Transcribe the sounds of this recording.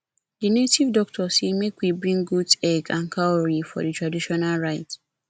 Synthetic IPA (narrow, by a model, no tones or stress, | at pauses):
dinetʰivdɔk̚tʰɔsemekwibɹĩŋɡudsɛɡãnkʰaoɹifɔ̰ditɹadiʃɔnalɹaɪt